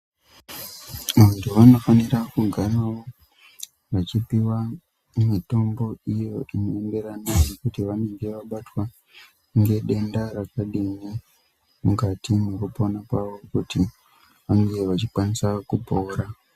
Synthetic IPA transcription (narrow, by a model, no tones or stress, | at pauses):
ʋantuʋano̞fanirakuɡʱaraʋo̞ | ʋat͡ʃipiwa | mito̞mbo̞ijo̞ʔino̞embe̞ɾanajekutiʋane̞ŋɡe̞ʋaɓatwa | ŋɡe̞ɗe̞ndaɾakaɗini | mukatinekuponakaʋo̞kuti | ʋaŋɡe̞ʋat͡ʃikwanisakupoːɾa